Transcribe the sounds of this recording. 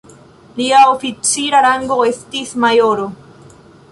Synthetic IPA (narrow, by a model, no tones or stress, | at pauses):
liaofit͡siɾaɾaŋɡoest̪ismajoɾo